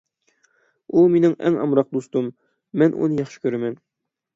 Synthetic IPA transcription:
ulˠminɪŋæ̰ŋɑ̰mɾɑq̚d̪ust̪umː | ænʔṵnɤjɑχʃɤ̥kʲyɾæmæn

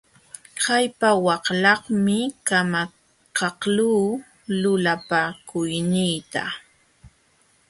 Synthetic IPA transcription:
hajpawɑqlɑχmɪkama | kɑqluː | lʊlapaːkʊjnɪjt̪a̰

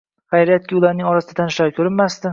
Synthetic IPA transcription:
χajɾijat̪̚kʲɪʊlaɾnɪŋɒɾasɪd̪at̪ʰanʃlaɾkʲʰɵɾɪnmast̪ɪ

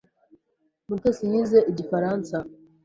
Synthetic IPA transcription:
mutesiɲiːzeʔiɟifaɾansa

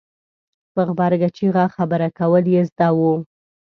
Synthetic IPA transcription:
pəɣbɑɾɡat͡ʃiɣɑxabəɾakawəljezd̪ɑwu

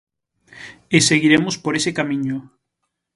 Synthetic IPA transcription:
eseɣiɾemʊspoɾesekamĩɲo

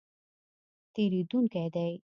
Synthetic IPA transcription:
t̪eɾid̪uŋkad̪aj

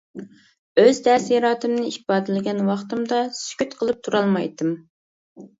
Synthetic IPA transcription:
øzd̪ɛsjɑɾɑːt̪ɨmnɪibɑːd̪ɪlɪɡʲɛnwɑχt̪ɨmd̪ɑsy̥kʲyt̪qʰəlˠɨp̚t̪ʰuɾɑlˠmɑjt̪ɨm

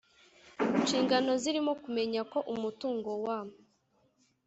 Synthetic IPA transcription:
nt͡ʃiːŋɡano̞ziɾimo̞kume̞ɲako̞ʔumutuːŋɡo̞waːmu

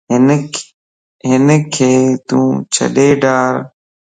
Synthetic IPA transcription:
ɦɪnkʰeːt̪ṵ̃ːt͡ʃʰə̰ɗeːɖaːɾ

